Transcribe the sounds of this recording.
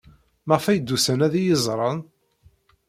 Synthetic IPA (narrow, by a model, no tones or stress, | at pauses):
məʁfæjd̪ːusænæðijəzˤɾˤɑn